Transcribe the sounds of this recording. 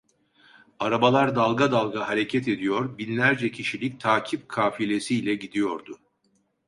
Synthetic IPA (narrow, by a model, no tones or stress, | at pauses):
aɾabalˠaɾd̪alˠɡad̪alˠɡaɦaɾe̞cʰɛt̪ʰe̞d̪ijo̞ɾbinlʲæɾd͡ʒɛcʰiʃilʲic̚t̪ʰaːcʰip̚kʰaːfilʲe̞siːlʲɛɟid̪ijo̞ɾd̪ʊ